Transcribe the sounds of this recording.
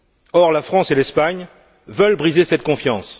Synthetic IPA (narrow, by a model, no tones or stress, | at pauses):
ɔʁlafχɑ̃selɛspaɲ | vœlbʁizesɛt̪̚kɔ̃fjɑ̃s